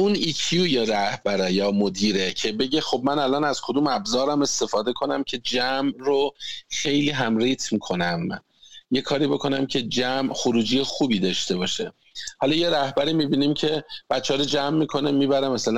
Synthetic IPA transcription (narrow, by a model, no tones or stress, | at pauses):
ʔunicʰjuːjeɾæhb̥æɾejɒːmod̪iːɾe̞cʰe̞be̞ɟexo̞b̚mænælɒːnæz̥kʰod̪uːmæbzɒːɾæme̞st̪e̞fɒːd̪e̞kʰo̞næmcʰe̞d͡ʒæmɾoxe̞jliːɦæmɾiːt̪ʰmiːkʰo̞næm | je̞kʰɒːɾiːbo̞kʰo̞næmcʰe̞d͡ʒæmxoɾuːd͡ʒiːjexuːbiːd̪ɒːʃt̪e̞bɒːʃe | hɒlɒːje̞ɾæhbæɾiːmiːbiːniːmcʰe̞b̥æt̪t͡ʃːehɒːɾod͡ʒæmːiːkʰo̞nemiːbæɾemæsælæ